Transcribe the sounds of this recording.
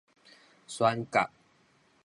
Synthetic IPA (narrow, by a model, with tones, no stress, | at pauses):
swa˦nka̰˨ʔ̚